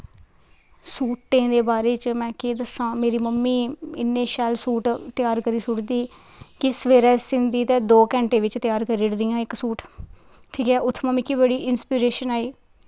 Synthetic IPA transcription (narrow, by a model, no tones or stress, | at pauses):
suːʈːẽːd̪eːbaːɾeːt͡ʃmɛ̃ːkeːd̪əsãːmeːɾiːməmːiːɪnːẽːʃɛːlsuːʈt̪ɪjaːɾkəɾiːsʊɽd̪iː | kɪsəʋeːɾɛːsɪnd̪iːt̪ẽːd̪oːkɛ̃ːɳʈeːʋɪt͡ʃt̪ɪjaːɾkəɾiɽd̪ɪjãːɪksuːʈ | ʈʰiːkɛːʔʊt̪ʰːməmːiːkiːbəɽiːʔɪnspiːɾeːʃənaːiː